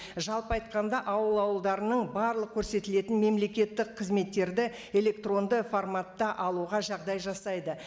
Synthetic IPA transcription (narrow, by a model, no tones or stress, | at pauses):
ʒɑlˠpəɑjt̪̚qɑnd̪ɑʔɑwəlˠɑwəlˠd̪ɑɾənəɴbɑɾlˠəq̚kʲʰːɵɾse̞t̪ɪle̞t̪ɪnme̞mle̞kʲe̞t̪ːɪqqʰːəzme̞t̪ːe̞ɾd̪ɪ | e̞le̞k̚t̪ro̞nd̪əformat̪ːɑʔɑlˠuʁɑʒɑʁd̪ɑjʒɑsɑjd̪ə